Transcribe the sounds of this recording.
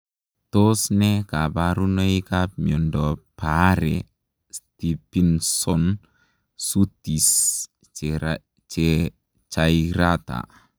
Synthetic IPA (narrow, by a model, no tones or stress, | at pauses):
tosnɛkabaɾunoikap̚mɔndɔpaɾɛ̰ | stipinsɔn | sutis | t͡ʃe | t͡ʃajiɾat̪a̰